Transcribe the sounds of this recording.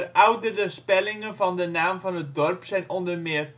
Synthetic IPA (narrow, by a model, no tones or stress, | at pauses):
rʔœwdərəspɛlɪŋənvɑndənaːmvɑnət̚dɔrpsɛjnɔndərmɪːr